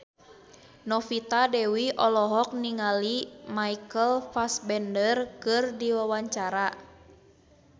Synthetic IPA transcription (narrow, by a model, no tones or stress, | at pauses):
nɔfit̪adɛwiʔɔlɔɦɔk̚niŋalimaikəlfasbɛndərkɨrdiwawaɲt͡ʃaɾa